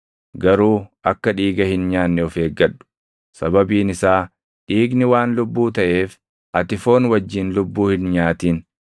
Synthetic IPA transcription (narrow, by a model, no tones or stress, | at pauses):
ɡɐɾuːʔɐkːɐᶑiːɡɐhɪnɲaːnːɛɔfeːɡːɐᶑːʊ̥ | sɐbɐbiːnɪsaː | ᶑiːɡnɪwaːnlʊbːuːt̪ɐʔe̞ːf | ʔɐt̪ɪfo̞ːnwɐd͡ʒːiːnlʊbːuːhɪnɲaːt̪iːn